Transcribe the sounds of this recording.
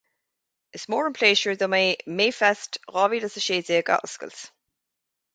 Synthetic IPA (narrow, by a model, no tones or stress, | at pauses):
ɪsmɔːɹə̃npʰl̥eːʃəɹðəmaɪmeːfɛstʁɑːvidəsəʃeːzeəɡa̰ʔskə̰ls